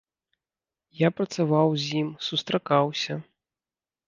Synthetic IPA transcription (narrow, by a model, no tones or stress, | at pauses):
japɾɐt̪savawzʲjimsust̪ɾakawsʲɐ